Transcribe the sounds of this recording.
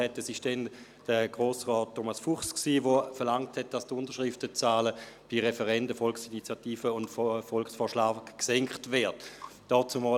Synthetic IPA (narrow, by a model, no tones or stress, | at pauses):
ɛtɛsɪʃd̥ɛnd̥əɡ̥ʁoːsʁɔːtʰːomasfuχsksiːvofɛɐlaŋthɛt̚d̥astʊndəʃʁɪftət͡saːləb̥iʁɛfəʁɛndəfɔlksinit͡sjatiːfəʊntffɔlksfɔːɐʃlaːɡksɛŋkχtvɛɐtd̥ɔːt͡sʊmɔː